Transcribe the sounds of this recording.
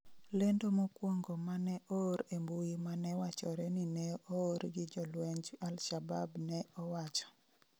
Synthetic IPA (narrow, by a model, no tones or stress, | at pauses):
lendomokwoŋɡomanɛʔoːɾembuimanɛwat͡ʃɔɾɛninɛoːɾɡɪd͡ʒɔlwɛɲd͡ʒalʃababnɛɔwat͡ʃɔ̥